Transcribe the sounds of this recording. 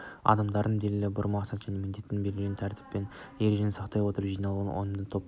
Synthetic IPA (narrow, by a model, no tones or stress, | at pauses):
ɑ̰d̪ɑmd̪ɑɾd̪ənd̪elɪlɪbʊɾmɑqsɑt̪ʒæne̞mɪnd̪e̞t̪ːɪŋbelɡɪɡʲent̪ʰæɾt̪ʰɪ̥pːe̞n | jeɾeʒenɪsɑqt̪ɑjwo̞t̪əɾəpʒijnɑlˠuʁɑnʔo̞̰j̪əmd̪əɴt̪ʰo̞p